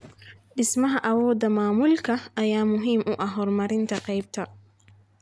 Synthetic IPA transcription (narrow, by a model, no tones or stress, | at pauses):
ɗɪsmɐɦɐʔɐwɔːd̪ɐmaːmulkʰɐʔːjaːmʊɦimʔʊʔɐɦɔɾmɐɾɪnt̪ʰɐqɛjb̚t̪ʰɐ